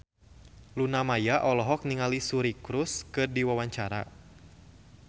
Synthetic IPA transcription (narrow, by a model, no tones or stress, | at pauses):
lunamajaʔɔlɔɦɔk̚niŋalisuɾikɾʊskɨrdiwawaɲt͡ʃaɾa̰